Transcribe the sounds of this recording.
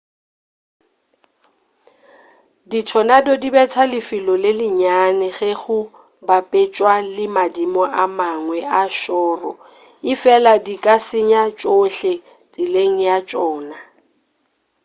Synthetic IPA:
ditʰɔnadɔdibɛtʰalɪfɪlɔlɪlɪɲanɛɣɛɣʊ | bapʼet͡ʃʼwalɪmadimɔʔamaŋwɛʔaʃɔːrɔ | ɪfɛladikʼasɪɲat͡ʃʼoɬɛ | t͡sʼɪleŋ̩jat͡ʃʼɔːna

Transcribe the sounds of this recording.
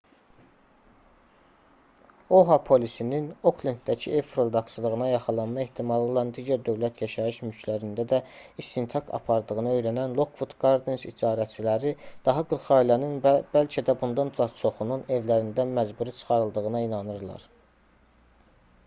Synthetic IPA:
oɦɑpʰo̞lisinino̞klint̪̚d̪æcʰḭefɾod̪ɑkslˠɯɣɯnɑjɑχɯlˠɑnmɑe̞ht̪ʰimɑlˠɯo̞lˠɑnd̪iːɟæɾd̪ø̞vlæt̪ʰjɑʃɑjɯʃmyt͡ʃʰlæɾind̪æd̪æist̪int̪ʰɑkʰɑ̰pʰɑɾd̪ɯɣɯnɯø̞jɾænænlˠo̞kʰvut̪ɡɑɾd̪ensid͡ʒɑːɾæt͡ʃʰilæɾid̪̥ɑɦɑɡɯɾχɑilæninb̥ælcʰæd̪æbund̪ɑnt͡sɑt͡ʃʰo̞χunune̞vlæɾind̪ænmæd͡ʒbuɾit͡ʃʰɯ̥χɑɾɯlˠd̪ɯɣɯnɑinɑnɯɾlˠɑ̰ɾ̥

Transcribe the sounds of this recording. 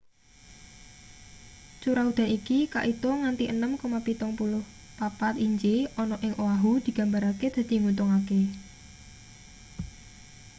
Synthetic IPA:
t͡ʃuɾaud̪̥a̤nikika̰ʔit̪oŋant̪iʔənəmkomapit̪ɔŋpulʊh | papat̪iɲd͡ʒiɔnɔʔɪŋʔowaɦud̪̥i̤ɡ̥ä̤mbaɾaked̪̥a̤d̪̥i̤ŋut̪ɔŋake

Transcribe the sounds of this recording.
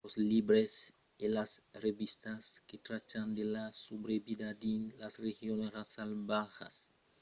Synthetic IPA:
oslibɾes | elasreβist̪asket̪ɾat͡ʃand̪elasubɾebid̪ad̪inlasrexjonesrasalbaxa̰s

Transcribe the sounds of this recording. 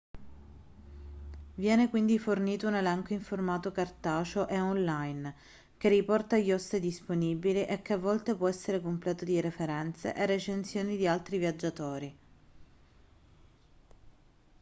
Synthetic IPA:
vjɛːnekwind̪iforniːt̪ounelɛŋkoiɱformaːt̪okart̪aːt͡ʃoʔeɔnlajn | k̟erːipɔrt̪ajːɔst̪ed̪isponibiliʔekːeavːɔlt̪epwɔɛsːeɾekomplɛːt̪od̪iɾefeɾɛnt̪sḛʔerːet͡ʃent̪sjoːnid̪ialt̪ɾivjad͡ʒːat̪oːɾi

